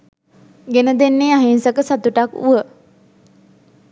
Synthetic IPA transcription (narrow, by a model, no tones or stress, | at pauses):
ɡenəd̪enːeːaɦinsəkəsat̪uʈakṵʋə